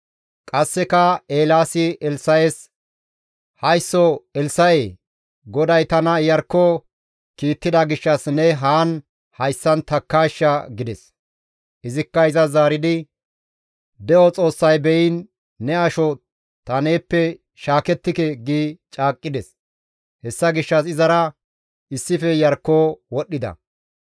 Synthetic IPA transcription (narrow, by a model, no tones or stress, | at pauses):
kʼɐsːɛkɐeːlaːsɪɛlsɐjes | hɐjsːɔɛlsɐje | ɡɔd̪ɐjt̪ɐnɐjɐɾkːɔ | kiːt̪ːɪd̪ɐɡɪʃːɐsnɛɦaːn | hɐjsːɐnt̪ɐkːaːʃːɐɡɪd̪ɛs | ʔɪzɪkːɐɪzɐzaːɾɪd̪ɪ | d̪ɛɔt͡sʼo̞ːsːɐjbɛjɪnː | ɛɐʃɔ | t̪ɐneːpːɛ | ʃaːkɛt̪ːɪkɛɡit͡ʃʼaːkʼːɪd̪ɛs | hɛsːɐɡɪʃːɐs̬ɪzɐɾɐ | ʔɪsːɪfɛjɐɾkːoːwɔɗːɪd̪ɐ̰